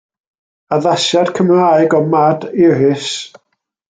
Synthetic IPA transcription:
aðaʃad̥kʰəmraɨɡɔmadɪɾɪs

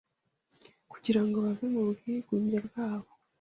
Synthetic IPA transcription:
ku̥ɟiɾaŋɡoβavemubɡiɡwuːɲɟabɡaːβo

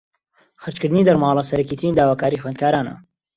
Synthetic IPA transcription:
xəɾt͡ʃkɨɾd̪ɨniːd̪ɐɾmɑːlˠɐsɐɾɐkiːt̪ɨɾiːnd̪aːwaːkaːɾiːxweːnd̪kʰaːɾaːnɐ̰

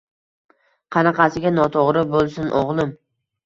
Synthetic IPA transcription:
qʰɑnɑqɑsɪɡʲanɒt̪ʰoʁɾɪbolˠsʊnʔoʁlˠɪm

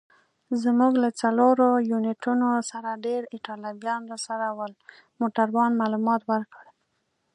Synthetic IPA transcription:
zmuɡlat͡saloɾojunɪʈunosaɾaɖeɾɪʈɑlɑbjɑnɾəsaɾawəl | moʈaɾwɑnmalumɑt̪wəɾkəɽ

